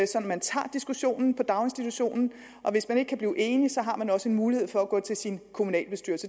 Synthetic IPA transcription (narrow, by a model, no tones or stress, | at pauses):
sɒ̽d̥n̩mænt͡sʰɑ̰̈ːd̥isɡ̥uɕo̝̰ːnn̩pʰɒ̽d̥ɑ̈ʊe̝nsd̥it͡sʰuɕo̝̰ːnn̩ | ʔɒ̽ʋe̝smæne̝ɡ̥ə̥kʰæbliːʔe̝ːnisɒ̽ɦɑ̈mænɒ̽səe̝nmuːlihe̝ð̞̰ˠfɒ̽æɡ̥ɔ̰̽ːt͡sʰe̝lsinkʰomunɛ̰ːlb̥e̝sd̥yɐlsə